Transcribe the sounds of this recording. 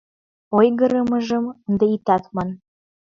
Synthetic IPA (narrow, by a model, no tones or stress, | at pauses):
ojɡɤ̆ɾə̆mə̆ʒɤ̆mənd̪ɤit̪ɑt̪mɑn